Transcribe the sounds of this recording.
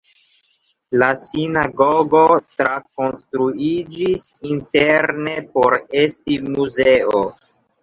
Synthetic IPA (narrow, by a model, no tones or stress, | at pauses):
lasinaɡoɡo̞tɾako̞nstɾuid͡ʒis | inteɾne̞po̞ɾe̞stimuze̞o